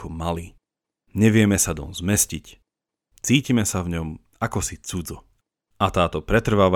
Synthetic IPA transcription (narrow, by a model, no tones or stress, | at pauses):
ɔmali | ɲɛʋɪɛmɛsad̪ɔ̰nzmɛscic | t͡siːcimɛsavɲɔm | akɔsit͡sud͡zɔ | ʔat̪aːt̪ɔpɾɛt̪r̩ʋaːʋa